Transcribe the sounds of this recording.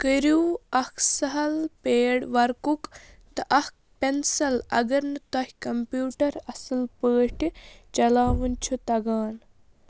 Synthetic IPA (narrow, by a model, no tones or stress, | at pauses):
kəɾuːɐkʰsɐɦɐlpeːɽʋɐɾkuk | t̪ɨʔɐhk̚ | pensɐlɐ̰ɡɐɾnɨt̪ɐɦʲkɐmpjuːʈɐɾɐsɨlpəːʈit͡ʃɐlaːʋɐnt͡ʃʰut̪ɐɡaːn